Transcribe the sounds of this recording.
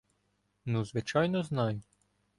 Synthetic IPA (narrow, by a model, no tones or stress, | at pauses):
nuzʋɪt͡ʃɑjnɔznɑjʊ